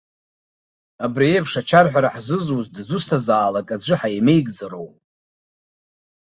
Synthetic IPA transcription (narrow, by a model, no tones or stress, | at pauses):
abriepʰʂat͡ʃʰarħʷᶣaɾaħzɨzwuzdzustʰazaːlakʼad͡ʒʷɨħajme̞jɡʼd͡zaɾowpʼ